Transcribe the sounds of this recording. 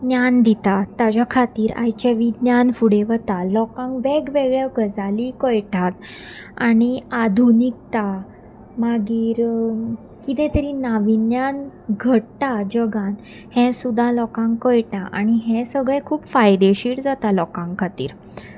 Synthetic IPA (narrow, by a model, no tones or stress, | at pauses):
njand̪it̪at̪ad͡ʑakʰat̪iːɾa̰jt͡ɕeʋid̪njanfuɽeʋət̪alɔkãŋɡʋɛɡʋeɡɭjaɡʱəd͡zalikəjʈʰat̪añiad̪ʱunik̚t̪a | maɡiːɾ | kit̪ɛ̃t̪əɾinaʋinjanɡʱəɽtad͡ʑəɡãn | hɛ̃sud̪ʱːalɔkãŋɡkəjʈaʔaɽ̃iɦɛ̃səɡɭẽkʰuːpfajd̪eɕiːɽd͡zat̪alɔkãŋɡkʰːat̪ḭːɾ